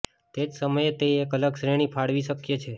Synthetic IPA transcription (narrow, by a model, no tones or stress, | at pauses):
t̪ed͡ʒsəməjet̪eekələɡʃɾeɽ̃ipʰaɽʋiʃəkjet͡ʃʰe